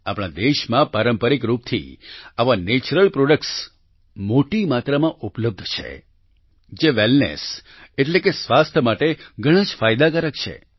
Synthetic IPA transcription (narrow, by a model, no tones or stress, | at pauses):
apɽ̃ad̪eʃmãpaɾəmpəɾikɾup̚t̪ʰḭaʋanet͡ʃɾəlpɾoɖək̚ʈs | moʈimat̪ɾamãʔupləb̚d̪ʱt͡ʃʰḛ | d͡ʒeʋelnḛs | eʈlekesʋast̪ʰəmaʈeɡʱəɽ̃ãd͡ʒfajd̪akəɾəkt͡ʃʰḛ